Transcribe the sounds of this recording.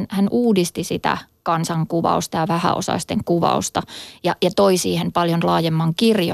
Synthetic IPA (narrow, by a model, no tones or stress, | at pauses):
nhænʔuːdist̪isit̪æ̰kɑnsɑŋkuʋɑ̰ust̪ɑjɑʋæhæ̰o̰sɑ̰ist̪eŋkuʋɑ̰ust̪ɑjɑjɑt̪oisiːhempɑljonlɑːjemːɑŋkirjo